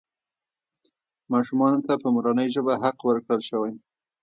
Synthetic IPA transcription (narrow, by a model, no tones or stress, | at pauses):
mɑʃumɑnot̪apəmuɾɑnəjʒəbaɦaqwəɾkɽəlʃəwaj